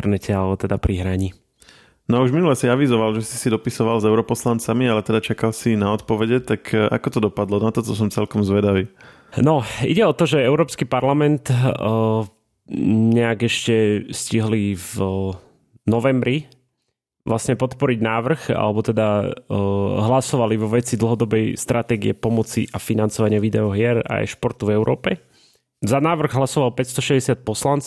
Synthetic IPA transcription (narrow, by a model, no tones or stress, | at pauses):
ɾnɛcʰɛalɛbɔt̪ɛd̪apɾiɦɾaɲi | nɔuʒminulɛsiaʋizɔʋalʒɛsi̥sid̪ɔpisɔʋalzɛʊɾɔpɔslant͡samialɛt̪ɛd̪at͡ʃakalsinaɔt̪pɔʋɛɟɛt̪aka̰kɔt̪ɔd̪ɔpad̪lɔnat̪ɔt̪ɔs̬ɔmt͡sɛlkɔmzʋɛd̪aʋiː | nɔḭɟɛɔt̪ɔʒɛɛʊɾɔːpskipaɾlamɛnt̪ | ɲɛaɡɛʃcɛsciɦliv | nɔʋɛmbɾi | ʋlʔasɲɛpɔt̪pɔɾiɟnaːʋr̩xa̰lɛbɔt̪ɛd̪a | ɦlasɔʋaliʋɔʋɛt͡sid̪l̩ɦɔd̪ɔbɛjst̪ɾʔat̪ɛːɡḭɛpɔmɔt͡sḭʔafinant͡sɔʋaɲɪaʋid̪ɛɔɦɪɛɾa̰jʃpɔɾt̪uvɛʊɾʔɔːpɛ | zanaːʋr̩ɣɦlasɔʋalpɛcst̪ɔʃɛdɛsɪat̪̚pɔslant͡s